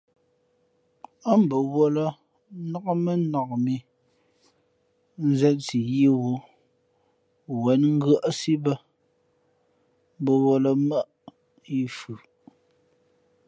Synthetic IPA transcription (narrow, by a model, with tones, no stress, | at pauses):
a˦m̩˨bə˨wo˦lə˦ | nɔ˦kmə˦nɔ˨kmi˨ | n̩˦zɛ˦nt͡si˨ji˦wu˦ | wɛ˨˦nŋ̩˦ɡə˦ʔsi˦bə˦ | m˦bə˨wo˨lə˨mə˦ʔ | i˦fʉ˨